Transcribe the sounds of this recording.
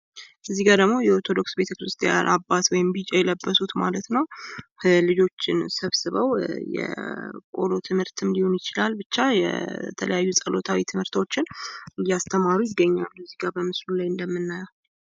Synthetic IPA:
ʔɨzːiɡad̪əɡmo̞jɛoɾt̪ʰo̞d̪o̞ksbe̞t̪ʰəkɨɾɨst̪ʰija̰nʔabːat̪wɔjɪmbit͡ʃʼɛjɛləbːəsut̪ma̰lət̪nəw | lɨd͡ʒo̞t͡ʃːɪnsəβsɨβəwjɛ̰kʼo̞̰lo̞t̪ʰɨmhɨɾt̪ɨmliho̞njɪt͡ʃɪlalbɨt͡ʃːajɛ̰t̪ʰələ̰jajːusʼəlo̞t̪ʰawit̪ʰɨmhɨɾt̪o̞t͡ʃːɪnjast̪ʰəmaɾujɪɡːəɲːalːɨzːiɡabəmɨslulajɨnd̪əmːɨnːajɛw

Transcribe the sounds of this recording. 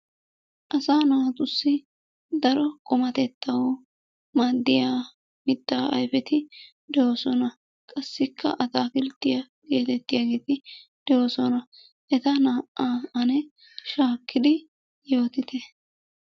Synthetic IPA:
ʔɐsaːnaːt̪ʼʊsːɪ | d̪ɐɾɔkʼɔmɐt̪ɛt̪ːɐwo | maːd̪ːɪjaː | mɪd̪ːaːʔɐ̰jfɛt̪ɪ | d̪ɛwoːsɔnɐ | kʼɐsːɪkʰːɐ̰ʔɐt̪aːkɪlt̪ːɪjɐ | ɡe̞ːt̪ɛt̪ːɪjaːɡeːt̪ɪd̪̥ɛwoːsɔnɐ | ʔɛt̪ɐnaːʔːaːɐnɛ | ʃaːkːɪd̪ɪ | jo̞ːt̪ɪt̪ɛ

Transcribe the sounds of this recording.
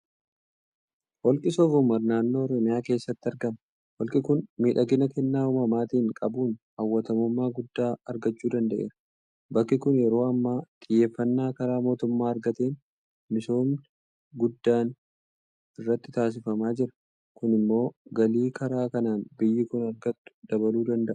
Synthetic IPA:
wɔlkʼɪsɔɡʊmɐɾnaːnːo̞ːɾɔmɪjaːke̞ːsːɐt̪ːɪɐɾɡɐmɐ | wɔlkʼɪkʊnmiːᶑɐɡɪnɐkɛnːaːʊmɐmaːt̪iːŋkʼɐbuːnhɐwːɐt̪ɐmʊmːaːɡʊd̪ːaːɐɾɡɐt͡ʃːuːd̪ɐnd̪ɐʔe̞̰ːɾɐ | bɐkːɪkʊnjɛɾo̞ːɐmːaːt̪ʼɪjːe̞ːfːɐnːaːkɐɾaːmo̞ːt̪ʊmːaːɐɾɡɐt̪eːn | mɪso̞ːm | ɡʊd̪ːaːn | ɪrːɐt̪ːɪt̪aːs̬ɪfɐmaːd͡ʒɪɾɐ̥ | kʊnɪmːo̞ːɡɐliːkɐɾaːkɐnaːnbɪjːɪkʊnɐɾɡɐt̪ːʊ̥d̪̥ɐβɐluːd̪ɐnd̪ɐʔʊ̥

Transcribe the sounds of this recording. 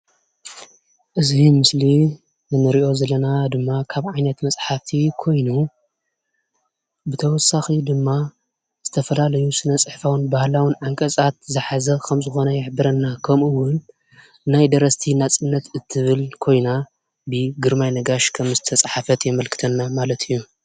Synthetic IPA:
ʔɨzimɨsli | nɨmɨɾiʔo̞zɐlɐnad̪ɨmːakʰaβʕajnɐt̪mɐst͡sʼħaft̪ʰikʰo̞jnu | bɨt̪ʰɐwɔsaxid̪ɨmːa | z̥ɨt̪ʰɐfɐlalɐjusɨnɐt͡sʼɨħfawɨnbahlawɨnʕaŋkʼɐsʼat̪̚zɨħazɐkʰɐmzɨxo̞nɐjɪħbɨɾɐnːakʰɐmɨwʊnː | ajd̪ɐɾɐst̪ʰinat͡sʼɨnːɐt̪ʰɨt̪ʰːɨβɨlkʰo̞jna | bɨɡɨɾmajnɐɡaʃkʰɐmzɨt̪ʰɐst͡sʼħafɐt̪jɛmɐlkʰɨ̥t̪ʰɐnːamalɐt̪ʰɨjːu

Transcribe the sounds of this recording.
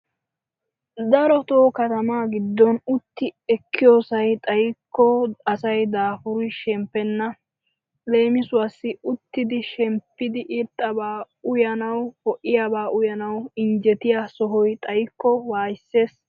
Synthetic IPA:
d̪ɐɾɔt̪oːkɐt̪ɐmaːɡɪd̪ːɔnʊt̪ːɪɛkːɪjoːsɐjt̪ʼɐjɪkːɔɐsɐjd̪aːfʊɾɪʃɛmpːɛnːɐ | le̞ːmɪsʊwasːɪʊt̪ːɪd̪ɪʃɛmpːɪd̪ɪʔɪɾt̪ʼːɐbaː | ʊjɐnɐwhɔʔɪjabaːʔʊjɐnɐwɪnd͡ʒɛt̪ɪjaːsɔɦɔjt̪ʼɐjkːɔwaːjɪsːe̞ːs

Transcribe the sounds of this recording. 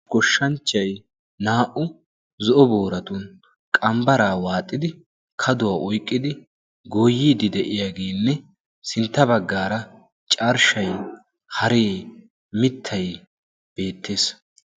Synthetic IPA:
kɔʃːɐnt͡ʃːɐj | naːʔʊ | zɔʔɔboːɾɐt̪ʊn | kʼɐmbɐɾaːwaːt̪ʼːɪd̪ɪ | kʰɐd̪ʊwaːʔɔjkʼːɪd̪ɪ | ɡoːjːiːd̪ɪd̪ɛʔɪjaːɡe̞ːnːɛ | sɪnt̪ːɐbɐɡːaːɾɐ | t͡ʃʼɐɾʃɐj | hɐɾeː | mɪt̪ʰːɐj | b̥e̞ːt̪ːeːs

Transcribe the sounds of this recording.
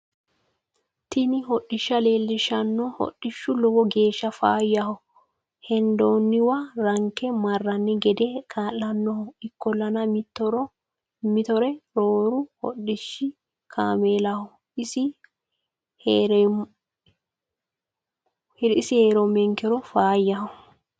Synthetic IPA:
t̪ɪnɪɦɔɗɪʃːɐle̞ːlːɪʃɐnːɔhɔ̰ɗːɪʃːʊlɔwɔɡe̞ːʃːɐfaːjɐhɔ | hɛnd̪oːnːɪwɐɾɐŋkːɛmɐrːɐnːɪɡɛd̪ɛkʰaːlːɐnːɔhɔɪkːɔlːɐnɐmɪt̪ːɔɾɔ | mɪt̪ɔɾɛɾoːɾʊhɔ̰ɗːɪʃɪ | kʰaːmeːlɐhɔ | ɪsɪ | hɾ | hɪsɪheːɾɔmɛŋkɛɾɔfaːjːɐhɔ

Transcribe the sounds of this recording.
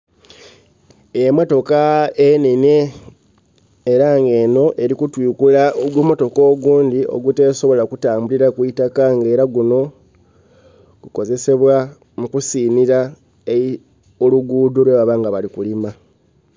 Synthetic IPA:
eemoto̞kaenine | ɾaŋɡe̞no̞ʔe̞ɾikutwiːkulaɡwomoto̞ko̞ːɡuːndio̞̰ɡute̞ːso̞βo̞lakutaːmbuliɾakwitakaŋɡe̞ːɾaɡuno̞ | kuko̞ze̞se̞βwa | mukusiːniɾa | e | oluɡuːdolweβaβaːŋɡaβalikulima

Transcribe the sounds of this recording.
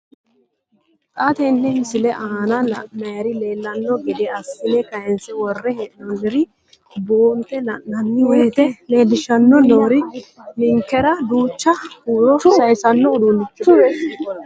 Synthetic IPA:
tʼat̪ɛnːɛmɪsɪlɛʔaːnɐlɐ̰ːɐjɐɾɪle̞ːlːɐnːɔɡɪd̪ɛɐsːɪnɛkɐjɛnsɛwɔrːɛhɛʔɔnːɛɾɪ | boːnt̪ːɛlɐnːɐnːɪweːt̪ɛle̞ːlːɪʃɐnːɔno̞ːɾɪmɪŋkːɛɾɐd̪uːt͡ʃːɐhuːɾɔsɐjsɐnːɔʊd̪unː

